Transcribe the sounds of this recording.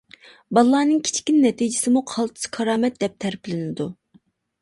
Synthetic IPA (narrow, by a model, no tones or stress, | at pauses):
bɑlˠːɑːnɨŋkʲʰi̥t͡ʃʰkʲinːɛt̪ʰid͡ʒɪsɪmuqʰɑlˠt̪ʰɨ̥skʰɑɾɑːmɛt̪̚d̪ɛp̚t̪ʰæɾpɪlɪnɪd̪u